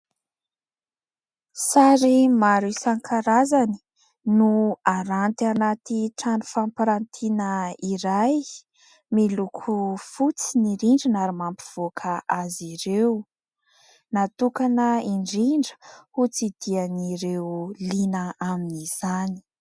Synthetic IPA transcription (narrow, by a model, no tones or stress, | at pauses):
saɾimaɾisaŋkʰaɾazani̥ | nuaɾant̪anat̪iʈ͡ʂanu̥fampaɾant̪ʰinəiɾaj | milukʰufut͡siniɾiɳɖ͡ʐinaɾimampiv̥okʰəʔaziɾew | nat̪ukanəiɳɖ͡ʐiɳɖ͡ʐə̥hut͡sid̪̥ianiɾewlinəaminiz̥ani̥